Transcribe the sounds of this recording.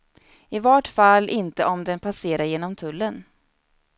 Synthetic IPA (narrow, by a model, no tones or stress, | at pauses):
ɪvɔʈfalːʔɪnt̪əʔɔmd̪ɛnpʰaseːɾaɾjeːnɔmt̪ʰɵlːən